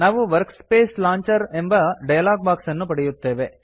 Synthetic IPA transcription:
naːʋɯʋɐɾkspeːslaːɲt͡ʃɐɾɛmbɐɖɐjɐlaːɡ̚baːksɐnːupɐɽɛjɯt̪ːeːʋe

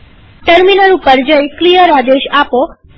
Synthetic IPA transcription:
ʈəɾminəɾũpəɾd͡ʒəjklijəɾad̪eʃapo

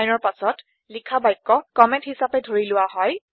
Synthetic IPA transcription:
jnɔɹpasɔt | likʰabajkːɔkɔmɛ̃nthisapɛdʱoɹilʊwaɦɔj

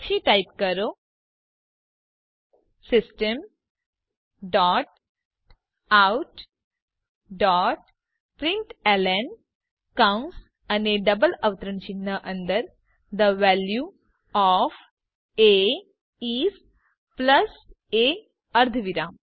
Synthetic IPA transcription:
ɕiːʈaip̚kəɾo | sisʈəm | ɖɔʈ̚ | awʈ | ɖɔʈ̚ | pɾiɳʈelen | kawns | aneɖəbələʋt̪ɾəɳt͡ɕinːəʔənd̪əɾ | d̪əʋælju | ɔf | e | is | pləs | e | əɾd̪ʱʋiɾam

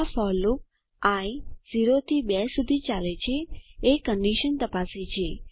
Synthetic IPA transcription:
fɔluk̚ | ãĩziɾot̪ʰibɛsud̪ʱit͡ʃalet͡ʃʰeːkəɳɖiʃənt̪əpaset͡ʃʰe

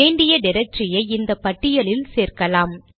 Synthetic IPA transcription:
eːɳɖɪjɐɖɪɾɛk̚ʈrɪjɐɪɪnd̪ɐpːɐʈːɪjɐlɪlseːrkɐlaːm

